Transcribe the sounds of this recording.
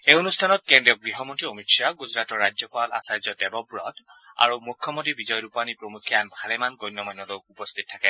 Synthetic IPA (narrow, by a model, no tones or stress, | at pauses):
eonustʰanɔt̚kendɹiɔɡɹiɦɔmontiomitsaɡuzɹatɔɹːad͡ʒjɔpala̰sajzɔdɛbɔbɹɔta̰ɹumukʰjɔmontibizɔjɹupanipɹomukʰːijanbʱalɛmanɡɔjnːɔmajnːɔlokupɔst̪ʰit̚tʰːakɛ